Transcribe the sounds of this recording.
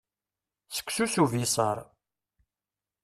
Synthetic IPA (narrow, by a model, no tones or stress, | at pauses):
sə̥kʷːsusuvisˤɑ̰ɾˤ